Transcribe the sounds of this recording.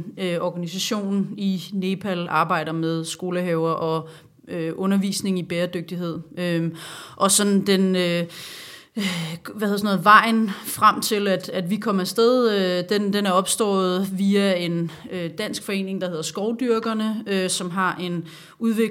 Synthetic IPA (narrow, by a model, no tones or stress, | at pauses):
øʔɒɡ̥ænis̬æɕo̝̰ːnine̝ːpʰælʔɑ̈ːb̥ɑ̈ɪ̰ɾ̥ɐmeð̞ˠsɡ̥o̝ːləɦɛʊɐʔɒ̽ | øʔɔ̽nɐʋḭːsne̝ŋ̩ib̥eːɐd̥øɡ̥̚d̥iɦe̝ð̰ˠøʔɒ̽sɒ̽nd̥enø | ʋæheðˠsno̽ːð̩ˠʋɑ̈ɪ̰nfʁam̰t͡sʰe̝læd̥æd̥ʋikʰɒ̽m̰ɐsd̥eð̞ˠød̥endenæɐɒ̽b̥sd̥ɔ̰ːð̩ˠʋiæe̝nød̥æn̰sɡ̥fɒ̽e̝̰ːne̝ŋd̥ɑhe̝ðˠɐsɡ̥ɒʊd̥yɐɡ̥ɐnəøsɒ̽mɦɑ̈ʔe̝n | uðˠʋeɡ